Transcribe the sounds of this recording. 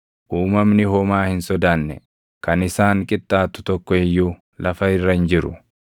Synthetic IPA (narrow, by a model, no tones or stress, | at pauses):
ʔuːmɐmnɪhɔmaːhɪnsɔd̪aːnːɛ̰ | kɐnɪsaːŋkʼɪt̪ʼːaːt̪ʊ̥t̪ɔkːɔɛjːuː | lʔɐfɐɪrːɐɪnd͡ʒɪɾʊ